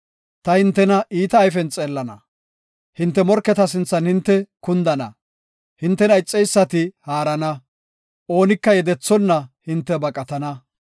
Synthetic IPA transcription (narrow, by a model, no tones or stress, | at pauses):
t̪ɐhɪnt̪ːɛnɐʔiːt̪ɐːjfɛnt͡sʼeːlːɐnɐ̰ | hɪnt̪ːɛmɔɾkːɛt̪ɐs̬ɪnt͡sːɐnhɪnt̪ːɛkʊnd̪ɐnɐ̰ | hɪnt̪ːɛnɐɪt͡sʼːɛjsːɐt̪ɪhaːɾɐnɐ | ʔo̞ːnɪkːɐjɛd̪ɛt͡sːɔnːɐhɪnt̪ːɛbɐkʼɐt̪ɐnɐ